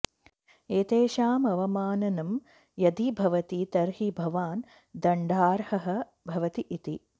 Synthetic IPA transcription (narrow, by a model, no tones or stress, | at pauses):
eːt̪eːʃaːmɐʋɐmaːnɐnɐm | jɐd̪ibʱɐʋɐt̪it̪ɐɾɦibʱɐʋaːn | d̪ɐɳɖaːɾhɐɦɐ̆ | bʱɐʋɐt̪iʔit̪i